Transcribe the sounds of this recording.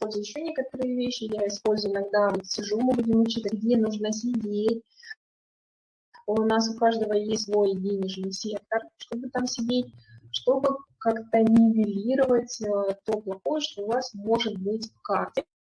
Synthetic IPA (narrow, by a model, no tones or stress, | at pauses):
po̞lʲzʊjɪɕːo̞nʲe̞kət̪əɾɨjəvʲeɕːɪjaɪspo̞lʲzʊjɪnɐɡd̪avʲɪtʲsʲɪʐumɨbudʲɪmʊt͡ɕit̪əɡdʲenuʐnəsʲɪdʲetʲ | ʊnas̬ʊkaʐd̪əvəjesʲtʲsvo̞jdʲenʲɪʐnɨjsʲe̞k̚t̪ərʂt̪o̞bɨt̪amsʲɪdʲet̚ʲʂt̪o̞bɨkakt̪ənʲɪvʲɪlʲiɾəvətʲət̪o̞plˠɐxo̞jəʂt̪oːvasmo̞ʐɨt̪̚bɨtʲfkartʲɪ